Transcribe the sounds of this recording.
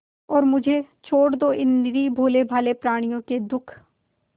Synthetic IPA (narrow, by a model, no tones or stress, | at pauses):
ɔːɾmʊd͡ʒʱet͡ʃʰoːɽd̪oːʔɪnːɪɾiːbʱoːlebʱaːlepɾaːɽ̃ijõked̪ʊkʰ